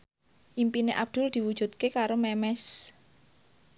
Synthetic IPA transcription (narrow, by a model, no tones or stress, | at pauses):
ʔimpineʔab̚d̪̥ʊ̤ld̪̥i̤wud̥ʒ̥ṳt̪̚kekaɾomɛmɛs